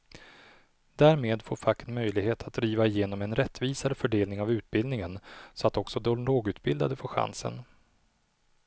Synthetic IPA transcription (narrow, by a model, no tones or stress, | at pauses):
d̪æːɾmeːd̪foːɾfakːənmœjlɪɡheːt̪ʰat̪̚d̪ɾiːvaɪjeːnɔmɛnɾɛt̪ːviːsaɾəfœɖeːlnɪŋavʉ̟ːt̪̚bɪld̪ɪŋənsɔat̪ɔksɔd̪ɛloːɡʉ̟ːt̪bɪld̪ad̪əfoːɧa̰nsə̰n